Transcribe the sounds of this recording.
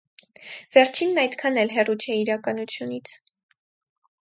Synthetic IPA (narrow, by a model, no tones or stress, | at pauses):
v̥ɛɾt͡ʃʰinːɑjd̪kʰɑnɛlɦɛrut͡ʃʰɛiɾɑkɑnut͡sʰjunit͡sʰ